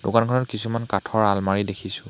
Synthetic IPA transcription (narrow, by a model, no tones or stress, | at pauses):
dʊkankʰɔnɔɹkisumankatʰɔɹalmaɹidekʰisʊ̃